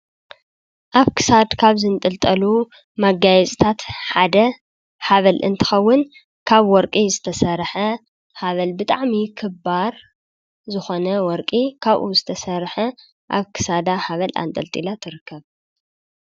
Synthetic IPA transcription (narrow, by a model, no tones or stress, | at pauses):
ʔaβkʰɨ̥sad̪kʰaβzɨnt̪ʼɨlt̪ʼɐlu | maɡajɛsʼt̪ʰat̪ħad̪ɐ | haβɐlʔɨ̰nt̪ʰɨ̥xɐwːʊn | kʰaβwɔɾkʼizɨt̪ʰɐsɐɾħɐ | haβɐlbɨt̪ʼaʕmikʰɨbaɾ | zɨxo̞nɐwɔɾkʼikʰaβʔuzɨt̪ʰɐsɐɾħɐ | ʔa̰βkʰɨ̥sad̪ahaβɐla̰nt̪ʼɐlt̪ʼilat̪ʰɨɾɨkʰːɐβ